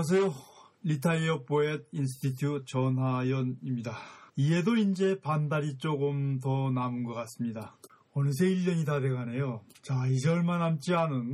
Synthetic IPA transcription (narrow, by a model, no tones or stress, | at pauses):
s̬ʰʌjo | ʎitʰaiʌp͈oed̚ins̬ʰɯ̥tʰitʰjut͡ɕʌnɦajʌnimɲidaie̞doind͡ʑe̞pandaɾit͡ɕ͈oɡɯmtʌnamɯnɡʌk͈as͈ɯmɲida | ʌnɯs̬ʰeiʎːʌɲitade̞ɡane̞jo | t͡ɕaid͡ʑeʌɭmanamt͡ɕ͈ianɯn